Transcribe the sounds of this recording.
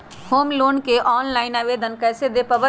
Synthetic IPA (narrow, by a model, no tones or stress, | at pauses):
homlonkeʔɔnlaɪnaːbed̪ənkəjsed̪epəbə